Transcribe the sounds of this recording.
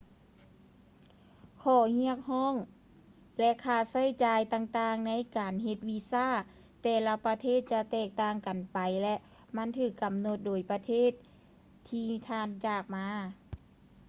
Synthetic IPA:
kʰɔː˧˩hi˧˥ək̚hɔː˥˨ŋ | lɛ˧ʔkʰaː˧˩sa˧˥˨jt͡ɕaː˨˧jt̪aː˧ŋt̪aː˧ŋna˧˥˨jkaː˨˩nɦe˧t̪̚wi˧saː˥˩˨ | t̪ɛː˧la˧pa˧t̪ʰeː˥˨t̪̚t͡ɕa˧t̪ɛː˧˩k̚t̪aː˧˩ŋka˨npa˨˩jlɛ˧ʔ | ma˧˥˨nt̪ʰɯː˧˩kːa˨˩mno˧˦t̪̚doː˨˩jpa˧t̪ʰeː˥˨t̪̚ʰː | iː˧t̪ʰaː˧˩nt͡ɕaː˧˩k̚maː˧

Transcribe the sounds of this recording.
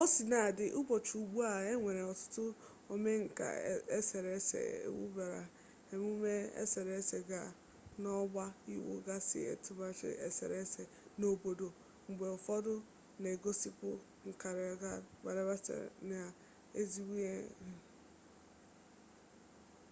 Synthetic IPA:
o˦si˨na˨dɪ˨ʔʊ˦bɔ˨t͡ʃu˨u˨ɡ͡bu˦a˨e˦ŋʷe˨ɾe˨ɔ˨tʊ̥˦tʊ˦ | o˦me˦ŋ̩˨ka̰˨e˦se˨ɾe˨˦sḛ˨ḛ˦wṵ˦ba˨ɾa̰˨ | e˨mu˦me˦ḛ˦se˨ɾe˨˦se˨ɡa˨ | nɔ˦ɡ͡ba˦ḭ˦wo̰˦ɡa˦sɪ̰˨ḛ˨tʊ˦ma˦t͡ʃɪ̰˦ḛ˨sḛ˨ɾe˦se˨ | no˨bo˨do˨ | ŋ͡m̩˨ɡ͡be˨ʊ˨fɔ˦dʊ˦ | ne˨ɡo˦si˦pʊ̰˦ | ŋ̩˨ka˨ɾɡa˦ɡ͡ba̰˨ɾa˦ba˦sḛ˨na˨ | e˦zi˦wi˦e˦˨

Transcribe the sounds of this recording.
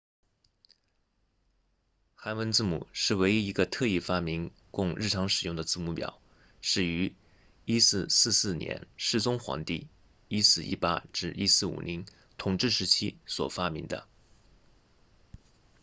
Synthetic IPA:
xa˧˥nwə˧˥nt͡sɹ̩˥˩mṵ˨˩ʂɻ̩˥˩we˧˥ɪi˥i˧˥ɡə˧t̪ʰɤ˥˧i˥˩fa˥mi˧˥ŋ | kʊ˥˧ŋɻ̩˥˩ʈ͡ʂʰɑ˧˥ŋʂɻ̩˨˩jʊ˥˩ŋd̪ə˩t͡sɹ̩˥˩mu˧˥˩pjɑ̰˨˩˦ʊ | ʂɻ̩˥˩y˧˥ | i˥sɹ̩˥˧sɹ̩˥˧sɹ̩˥˩njɛ̰˧˥nʂɻ̩˥˩t͡sʊ˥ŋxwɑ̰˧˥ŋt̪ḭ˥˩ | i˥sɹ̩˥˩ḭ˥˩pa̰˥ʈ͡ʂɻ̩˥˩ʔi˥sɹ̩˥˩ṵ˨˩ni˧˥ŋ | t̪ʰʊ˨˩ŋʈ͡ʂɻ̩˥˩ʂɻ̩˧˥t͡ɕʰi˥swɔ̰˨˩fa˥mi˧˥ŋd̪ə̰˧

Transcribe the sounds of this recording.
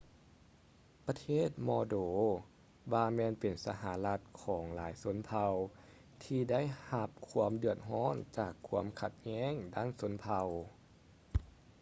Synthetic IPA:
pa˧t̪ʰeː˥˩t̪̚mɔː˧doː˨˩ | ʋaː˧mɛː˧npe˨˩nsa˧ɦaː˨˩˦la˧t̪̚kʰɔː˩˦ŋlaː˩˦jso˧˦npʰa˧w | t̪ʰiː˧da˥˨jha˧p̚kʰu˧˥əmdɯ˧˩ət̪̚ɦɔː˧˥˨nt͡ɕaː˨˩kʰːu˧˥əmkʰa˧t̪̚ɲɛː˧˥˨ŋdaː˧˥˨nso˧˦npʰa˧w

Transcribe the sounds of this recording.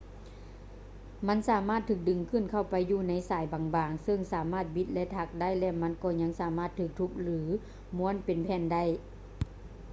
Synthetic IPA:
ma˧˥˨nsaː˨˦maː˥˩t̪ʰːɯː˧˩k̚dɯ˨˩ŋkʰɯ˧˥˨nkʰa˧˩wpa˨jːuː˧˩na˧˥jsaː˨˦jbaː˨˦ŋbaː˨ŋsɤ˧˩˨ŋsaː˨˦maː˧˥˩t̪̚bi˧˦t̪̚lɛ˧˥ʔt̪ʰa˧˥k̚da˥˨jlɛ˧˥ma˧˥˨nkɔː˧˩ɲa˧˥ŋsaː˨˦maː˧˥˩t̪ʰːɯː˧˩k̚t̪ʰu˧˥p̚lɯː˨˦ | mu˧˥ə˨npe˨npʰɛː˧˥˨nda˥˨j

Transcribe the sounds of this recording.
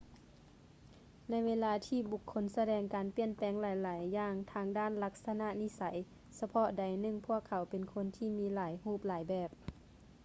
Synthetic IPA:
na˧˥jʋeː˧˥˧laː˧˥t̪ʰiː˧˩bu˧˩kʰːo˧˥nsa˧dɛː˧˩ŋkaː˨˩npi˧˩ənpɛː˨˦ŋlaː˨˦jlaː˨˦jːaː˧˩ŋt̪ʰaː˧˥ŋdaː˧˥˨nla˧k̚sa˧na˧˨ʔni˧˥sa˨˦j | sa˧pʰɔ˧˥da˨˩jnɯ˧˩˨ŋpʰu˧˥˨əkʰːa˨˩˦wpe˨nkʰo˧˥˨nt̪ʰiː˧˨miː˧˥laː˨˦jhuː˧˩p̚laː˨˦jbɛː˧˩p̚

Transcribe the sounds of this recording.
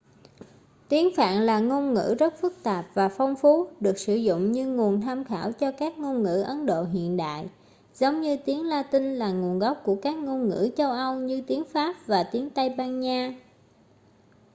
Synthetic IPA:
t̪i˨˦ənfa̰ː˧˨nlaː˨˩ŋo˧nŋɨ̰˧˥zə˦˥t̚fɨ˦˥k̚t̪aː˨˩p̚vaː˨˩fɔ˧wŋ͡mfu˨˦ɗɨ˨˩ək̚sɨ˧˩zʊ̰˧˨ŋ͡mɲɨ˧ŋu˨˩ənt̪ʰaː˧mxaː˧˩wt͡ɕɔ˧kaː˦˥k̚ŋo˧nŋɨ̰˧˥ʔə˨˦nɗo̰˧˨ɦḭ˧˨ənɗa̰ː˧˨j | zə˨˦wŋ͡mɲɨ˧t̪i˨˦ənlaː˧t̪ï˧ŋlaː˨˩ŋu˨˩ənɣɔ˦˥wk͡p̚ku˧˩əkaː˦˥k̚ŋo˧nŋɨ̰˧˥t͡ɕə˧wʔə˧wɲɨ˧t̪i˨˦əŋfaː˦˥p̚vaː˨˩t̪i˨˦əŋt̪ə˧jɓaː˧nɲaː˧

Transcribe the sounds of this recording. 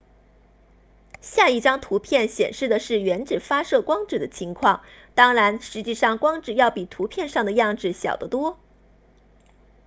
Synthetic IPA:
ɕja˥˧i˥˩ʈ͡ʂɑ˥ŋt̪ʰu˧˥pʰjɛ˥˩nɕjɛ˨˩nʂɻ̩˥˩d̪ə˩ʂɻ̩˥˩ɥɛ˧˥nʈ͡ʂɻ̩˨˩fa˥ʂɤ˥˩kwɑ˥ŋʈ͡ʂɻ̩˨˩d̪ə˦t͡ɕʰi˧˥ŋkʰwɑ˥˩ŋt̪ɑ˥ŋɻa˧˥nʂɻ̩˧˥t͡ɕi˥˧ʂɑ˥˩ŋkwɑ˥ŋʈ͡ʂɻ̩˥˩jɑ˥˩ʊpi˨˩t̪ʰu˧˥pʰjɛ˥˧nʂɑ˥˩ŋd̪ə˩jɑ˥˧ŋʈ͡ʂɻ̩˥˩ɕjɑ̰˨˩ʊd̪ə˦t̪wɔ˥

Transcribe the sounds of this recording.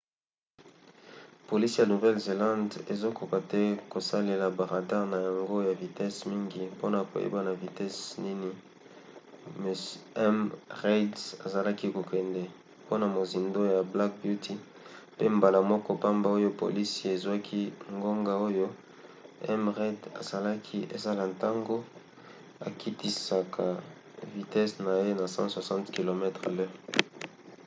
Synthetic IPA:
po˨li˦si˦ja˨nu˨vɛ˦lze˨lã˦nde˨zo˦ko˨ka˨tɛ˦ko˨sa˦le˨la˨ba˨ʁa˨da˦ʁna˨ja˨ŋɡo˦ja˨vi˨tɛ˦smi˦ŋɡi˦po˦na˨ko̰˨jḛ˦ba˦na˨vi˨tɛ˦sni˦ni˦ | me˨sɛ˦mʁe˦dsa̰˨za˨la˦ki˦ko˨kɛ˨ndɛ˨ | po˦na˨mo˨zi˨ndo˦ja˨bla˦k̚bju˦tʰi˦ | pe˦mba˨la˨mɔ˦kɔ˦pa˦mba˦o˦jo˦po̰˨li˦si˦e˨zwa˦kʰi˦ŋɡo˦ŋɡa˦o˦jo˦ | ɛ̰˦mʁe˦da̰˨sa˨la˦kʰi˦ʔḛ˨za˦la˨nta˦ŋɡo˦ | a̰˨kʰi˦ti˦sa˨kʰa˨ | vi˨tɛ˦sna˨je˦na˨sɑ̰̃˦swa˨sɑ̃˦ntki˨lo˨mɛ˦tχa˨lø˦ʁ

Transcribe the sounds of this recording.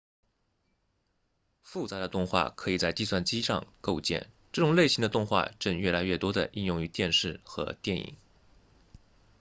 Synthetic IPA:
fu˥˩t͡sa˧˥d̪ə˧t̪ʊ˥˧ŋxwa̰˥˩kʰɤ˧˥i˨˩t͡sa˥˧ɪt̪i˥˧swa˥˩nt͡ɕi˥ʂɑ̰˥˧ŋko˥˧ʊt͡ɕjɛ̰˥˩n | ʈ͡ʂɤ˥˩ʈ͡ʂʊ˨˩ŋle˥˩ɪɕi˧˥ŋd̪ə˧t̪ʊ˥˧ŋxwa̰˥˧ʈ͡ʂə˥˧ŋɥɛ˥˩la˧˥ɪɥɛ˥˩t̪wɔ˥d̪ə̰˨ʔi˥˧njʊ˥˩ŋy˧˥t̪jɛ˥˧nʂɻ̩˥˩xɤ̰˧˥t̪jɛ˥˩nḭ˨˩ŋ

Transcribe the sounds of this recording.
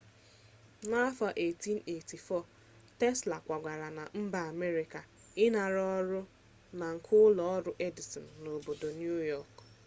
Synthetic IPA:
na˦fa˨ʔe˨ti˦n̩˦e˨ti˨fɔ˦˨ | tɛ˦sla˨kʷa˨ɡʷa˨ɾa˨na˨m̩˦ba˨a˨me˦ɾi˨ka˨ | ɪ˦na˨ɾɔ˦ɾʊ˦ | na˨ŋ̩˨kʰʊ˦lɔ˨˦ɔ˦ɾʊ˦ʔe˦di˨sɔ˨n˨no˨bo˨do˨nju˦jɔ˦˨k

